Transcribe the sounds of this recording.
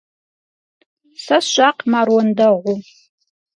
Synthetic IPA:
sasʃʷaqʰʼmarwandaʁʷu

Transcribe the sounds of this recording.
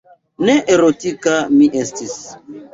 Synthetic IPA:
neʔeɾotikamiʔestis

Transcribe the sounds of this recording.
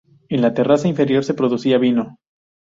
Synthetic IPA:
e̞nlat̪e̞rasaiɱfe̞ɾjo̞ɾse̞pɾo̞ðusiaβino̞

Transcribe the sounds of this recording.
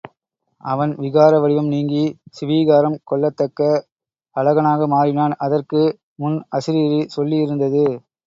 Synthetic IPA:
ɐʋɐnʋɪɣaːɾɐʋɐɽɪʋɐmniːŋɡisɪʋiːɣaːɾɐmkɔɭːɐt̪ːɐkːɐ | ɐɭɐɣɐnaːɣɐmaːɾɪnaːnɐðɐrkɯ | mʊnɐsɪɾiːɾisɔlːiɪɾɯnd̪ɐðɯ

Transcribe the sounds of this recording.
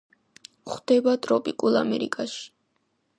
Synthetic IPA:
χd̪ɛbat̪ʼɾɔpʼikʼulˠa̰mɛɾḭkʼaʃi̥

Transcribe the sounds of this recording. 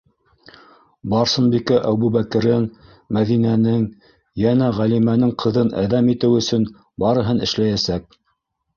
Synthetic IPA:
bɑɾsɤ̆nbikæʔæbuβækɘ̆ɾɘŋ | mæðinænɘŋ | jænæʁælimænɘŋqʰɤ̆ðɤnæ̰ðæmit̪ɘwɵ̆sɵn | bɑɾɤ̆ɦɤnɘ̆ʃlæjæsæk̚

